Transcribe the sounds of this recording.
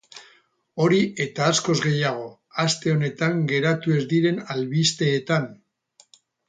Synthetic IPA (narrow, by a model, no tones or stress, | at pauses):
o̞ɾiʔe̞t̪aːsko̞zɣe̞jaɣ̞o̞ | ast̪e̞o̞ne̞t̪aŋɡe̞ɾat̪ue̞zd̪iɾe̞nalβist̪e̞ːt̪an